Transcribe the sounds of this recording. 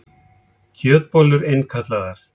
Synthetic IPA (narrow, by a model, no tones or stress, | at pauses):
cʰœːt̪̚poːlʏɾejnkʰat̪laðaɾ̥